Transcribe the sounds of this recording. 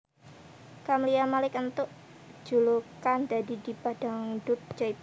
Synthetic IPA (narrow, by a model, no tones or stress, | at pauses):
kamliamalɪkənt̪ʊʔ | d͡ʒ̥ulukand̪adidipad̥aŋɖʊt̚d͡ʒajp